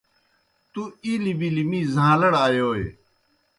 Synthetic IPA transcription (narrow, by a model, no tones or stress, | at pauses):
t̪uilibilimĩːzãːlɐɽaːjoːḛ